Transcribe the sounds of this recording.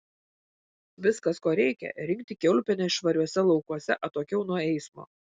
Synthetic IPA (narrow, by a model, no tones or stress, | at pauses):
ʋʲɪskɐskoːɾʲɛɪkʲɛ̰ɾʲɪŋk̚ʲt̪ʲɪkʲɛʊlʲpʲɛnʲɛʃʋɐɾʲuɔsʲɛlˠɒʊkuɔsʲɛʔɐt̪oːkʲɛʊnuɔɛɪsmo̰ː